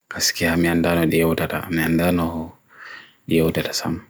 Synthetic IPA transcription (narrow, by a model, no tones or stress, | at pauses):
kaskɛhamiandanɔɗijɛwtata̰ːmiandanɔh | ɗijɛwtatḁsam